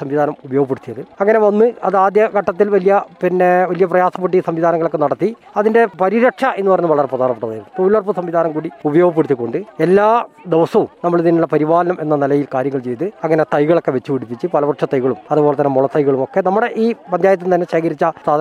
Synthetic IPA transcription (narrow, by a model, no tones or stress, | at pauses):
sɐmʋiðʱaːnɐmubɐjoɡɐpːeɽut̪ːijɐðɨɐŋːɐne̞ʋɐnːɨɐðaːd̪jɐkɐʈːɐt̪̬ːilʋɐlijɐpinːeʋɐlijɐprɐjaːsɐpːeʈ̬ːisɐmʋid̪ʱaːnɐŋːɐɭokːe̞nɐɽɐt̪ːi | ɐðinde̞pɐɾiɾɐʈʂɐʔe̞nːɨpɐrɐɲːuʋɐɭɐreprɐd̪ʱaːnɐpːeʈːɐðaːjnːpoːlɐrpɐsɐmʋiðʱaːnɐmkuːɽiubɐjo̞ːɡɐp̬ːeɽt̪ːikːoɳɖɨelːaːd̪eʋɐsɐumnɐmːɐɭiðinulːɐpɐɾibaːlɐnɐmʔe̞nːɐnɐlɐjilkaːɾjɐŋːɐɭt͡ɕe̞jt̪ɨɐŋːɐne̞t̪ɐjɣɐɭokːe̞ʋet͡ɕːuʋiɽipːit͡ɕːɨpɐlɐbɐʈʂɐt̪ːɐjɣɐɭumɐðubo̞ːlet̪ɐnːemuɭɐt̪ːɐjɣɐɭumo̞kːe̞nɐmːuɽeʔiːpɐnd̪jaːjɐt̪ːumt̪ɐnːe̞ɕeːkɐɾit͡ɕːɐst̪aː